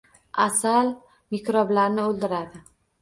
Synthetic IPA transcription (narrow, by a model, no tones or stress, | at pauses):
asal | mekɾɒblaɾnɪold̪ɪɾad̪ɪ